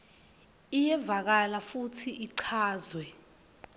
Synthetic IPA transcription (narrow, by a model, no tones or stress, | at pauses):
ijɛvak̬alafutʰiʔiǀʰaːzwɛ